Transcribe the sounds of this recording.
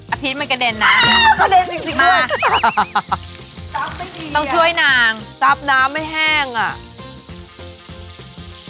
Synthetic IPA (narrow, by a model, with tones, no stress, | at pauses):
ʔa˧pʰi˦t̪̚ma˧˥˩nka˧˩de˧nːa˧˦˥a˦˧˩ka˧˩de˧nsi˨˧˩ŋsi˨˧˩ʔaɯ˧˩˦ | t̪ɔ˥˩ŋt͡ɕʰu˥˩əjnaː˧ŋ | sa˦˥p̚naː˦˥mːa˥˩jɦɛː˥˩ŋʔa˨˩ʔ